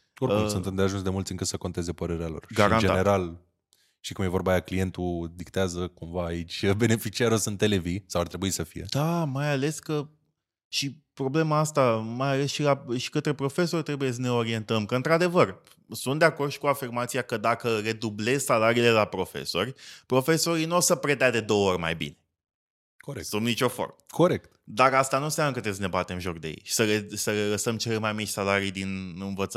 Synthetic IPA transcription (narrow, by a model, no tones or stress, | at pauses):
orkumssunt̪ɨnmd̪eaʒuns̬d̪e̞mult̪sʲɨŋkəsəko̞nt̪e̞ze̞pəɾe̞ɾealo̞̰rʃɡaiɾand͡ʒ̪neɾal | t̪ikumje̞vo̞ɾbaːjaklije̞nt̪ud̪ikt̪eazəkumvaːit͡ʃʲbe̞ne̞fit͡ʃiaɾosunt̪ːelevisawart̪ɾe̞buisəfḭje̞d̪̥amajale̞skə | ʃipɾo̞ble̞maast̪amajale̞sʃilaʃi̥kət̪ɾe̞pɾo̞fe̞so̞rʲt̪ɾe̞bujes̬əne̞o̞ɾie̞nt̪əmkəɨnt̪ɾad̪e̞vər | sunt̪d̪eakord̪ʃi̥kuafirmat̪sijakəd̪akəɾe̞d̪uble̞zsalaɾiːle̞lapɾo̞fḛso̞̰rʲpɾo̞fe̞so̞ɾinuosəpɾet̪ead̪e̞d̪o̞əorʲma̰jbḭne̥ | koesunit͡ʃo̞fo̞̰rməkoɾekt̪d̪aɾast̪anusamnəkət̪ɾesnebat̪e̞ɨnʒokd̪ejḛjʃi̥səlesəleləsəmt͡ʃe̞lemajmit͡ʃʲsalaɾijd̪inɨnvət̪sə